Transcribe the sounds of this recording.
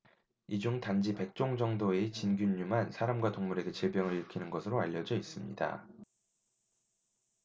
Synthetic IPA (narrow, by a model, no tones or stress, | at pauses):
id͡ʑuŋtand͡ʑipe̞k̚t͡ɕ͈oŋd͡ʑʌŋdoet͡ɕinɡjuɲːumansʰaɾamɡwatoŋmuɾe̞ɡe̞t͡ɕiɭbjʌŋɯɭiɭkʰinɯnɡʌsʰɯɾoaʎːʌd͡ʑʌis͈ɯmɲḭda̰